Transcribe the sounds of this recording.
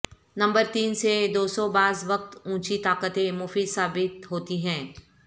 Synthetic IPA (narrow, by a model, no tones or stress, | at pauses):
nɐ̃mbəɾt̪iːnsed̪oːsɔbaːzʋɐq̚t̪ũːt͡ʃit̪aːkət̪ẽmʊfisaːbɪt̪ɦoːt̪iɦɛ̃ː